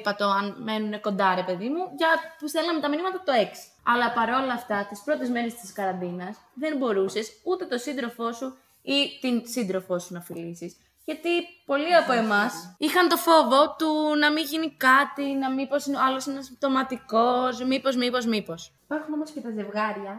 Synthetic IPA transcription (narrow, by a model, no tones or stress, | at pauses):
pɐt̪o̞ɐnme̞nune̞ko̞nd̪ɐɾe̞pe̞ðimuʝɐpusθelɐnɐmet̪ɐminimɐt̪ɐt̪oe̞ksi̥ɐlɐpɐɾo̞lɐːft̪ɐt̪ispɾo̞t̪ezme̞nest̪iskɐɾɐnd̪inɐs | ðe̞nbo̞ɾuse̞sut̪e̞t̪o̞sind̪ɾo̞fo̞su | it̪insind̪ɾo̞fo̞sunɐfilisis | ʝɐt̪ipo̞liɐpo̞e̞mɐsixɐnt̪o̞fo̞vo̞t̪unɐmiʝinikɐt̪inɐmipo̞sinɐlo̞sienɐsip̚t̪o̞mɐt̪iko̞smipo̞zmipo̞zmipo̞sipɐɾxuno̞moscet̪ɐze̞vɣɐɾʝɐ